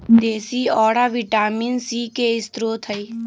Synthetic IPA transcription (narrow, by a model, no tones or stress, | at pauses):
d̪eːsiɔːɽaʋɪʈaːminsikeɪst̪ɾoːt̪ʰəi